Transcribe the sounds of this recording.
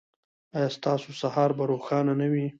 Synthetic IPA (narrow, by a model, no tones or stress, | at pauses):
ɑjɑst̪ɑsosahɑɾbaɾoxɑnanawi